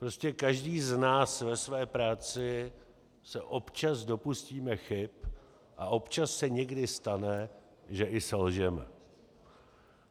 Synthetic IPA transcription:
pɾoscɛkaʒdiːznaːsvɛsvɛːpɾaːt͡sɪ | sɛʔo̞pt͡ʃazdo̞pusciːmɛxɪp | ʔaʔo̞pt͡ʃasːɛɲɛɡdɪst̪anɛ | ʒɛʔɪsɛlʒɛmɛ̰

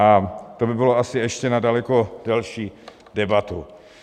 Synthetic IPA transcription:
at̪o̞bɪbɪlo̞asɪɛʃcɛnadalɛko̞dɛlʃiː | dɛbat̪u

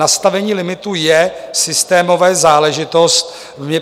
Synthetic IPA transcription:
ast̪avɛɲiːlɪmɪt̪ujɛsɪst̪ɛːmo̞vɛːzaːlɛʒɪt̪o̞st̪ | vmɲɛ

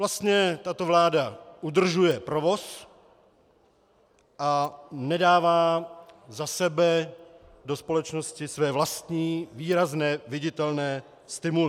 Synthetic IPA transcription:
vlast̪ɲɛt̪at̪o̞vlaːdaʔud̪r̩ʒujɛpɾovo̞s | ʔanɛdaːvaːzasɛbɛ | dospolɛt͡ʃno̞scɪsvɛːvlast̪ɲiːviːɾaznɛːvɪɟɪt̪ɛlnɛː | st̪ɪmulɪ

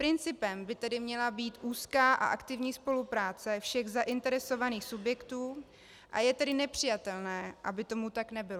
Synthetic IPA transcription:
pɾɪnt͡sɪpɛmbɪt̪ɛdɪmɲɛlabiːt̪ʔuːskaːʔa̰ʔakt̪ɪvɲiːspo̞lupɾaːt͡sɛfʃɛɣzaʔɪnt̪ɛɾɛso̞vaniːxsubjɛkt̪uː | ʔa̰jɛt̪ɛdɪnɛpr̝̥ɪjat̪ɛlnɛːʔabɪt̪o̞mut̪aknɛbɪlo

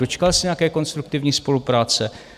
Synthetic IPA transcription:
ot͡ʃkalsɪɲɛjakɛːko̞nst̪ɾuk̚t̪ɪvɲiːspo̞lupɾaːt͡sɛ

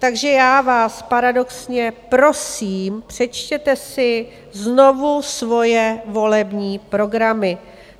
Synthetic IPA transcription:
t̪aɡʒɛjaːvaːspaɾado̞ksɲɛpɾo̞siːmpr̝̥ɛt͡ʃcɛt̪ɛsɪ | zno̞vusvo̞jɛvo̞lɛbɲiːpɾo̞ɡɾamɪ

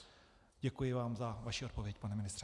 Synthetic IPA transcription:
ɟɛkujɪvaːmzavaʃiʔot̪̚po̞vjɛc̚panɛmɪnɪst̪r̥ɛ

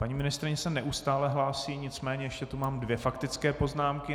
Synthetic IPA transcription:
paɲiːmɪnɪst̪ɾɪɲɛsɛnɛʔust̪aːlɛɦlaːsiːɲɪt͡smɛːɲɛjɛʃcɛt̪umaːmdvjɛfakt̪ɪt͡skɛːpo̞znaːmkɪ

